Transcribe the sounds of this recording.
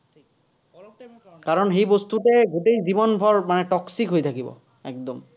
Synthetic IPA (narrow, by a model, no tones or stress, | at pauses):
kaɹɔnɦejbost̪utɛɡuʈejzibɔnbʱɔɹmanɛʈɔksikɦojt̪ʰakibɔ̰ | ɛk̚d̪ɔm